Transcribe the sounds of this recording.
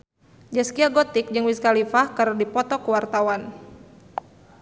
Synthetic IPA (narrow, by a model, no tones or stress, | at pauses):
d͡ʒaskiaɡɔt̪ɪk̚d͡ʒɨŋwiskalifahkaɾadipɔt̪ɔkəwart̪awan